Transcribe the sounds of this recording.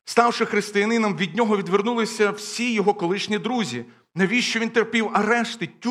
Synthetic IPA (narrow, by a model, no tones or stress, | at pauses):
st̪ɑwʃɪxɾɪst̪ɪjɐnɪnɐmʋʲid̪ʲnʲɔɦɔʋʲid̪ʋernulˠɪsʲɐwsʲijɔɦɔkɔlˠɪʃnʲid̪ɾuzʲi | nɐʋʲiʃt͡ʃɔʋʲint̪erpʲiwɐɾɛʃt̪ɪtʲː